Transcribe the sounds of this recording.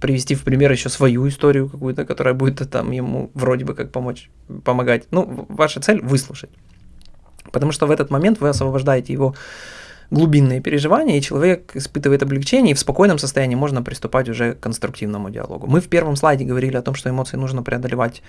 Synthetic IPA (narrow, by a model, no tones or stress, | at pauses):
pɾʲɪvʲɪsʲtʲifpɾʲɪmʲe̞rjɪɕːosvɐjuɪst̪o̞ɾʲɪjʊkɐkujʊt̪əkɐt̪o̞ɾəjəbudʲɪt̪ːət̪a̰mjɪmṵvɾo̞dʲɪbɨkak̚pɐmo̞t͡ɕ | pəmɐɡatʲnuvaʂət̪sɛlʲvɨslˠʊʂət̚ʲ | pə̥t̪ɐmuʂt̪ovɛt̪ət̪mɐmʲe̞nt̪vɨɐsvəbɐʐd̪ajɪtʲɪjɪvo̞ | ɡlˠʊbʲinːɨjəpʲɪɾʲɪʐɨvanʲɪjəit͡ɕɪlˠɐvʲe̞kɪspɨt̪ɨvəjɪt̪ɐblʲɪkt͡ɕenʲɪjəifspɐko̞jnəmsəst̪ɐjænʲiːmo̞ʐnəpɾʲɪst̪ʊpatʲʊʐɛkːənst̪ɾʊk̚tʲivnəmʊdʲɪ̰ɐ̰lˠo̞̰ɡʊ̰mɨfpʲe̞rvəmslˠajdʲɪɡəvɐɾʲilʲɪɐt̪o̞mʂt̪oɪmot̪sɨjɪnuʐnəpɾʲɪəɐd̪əlʲɪvatʲ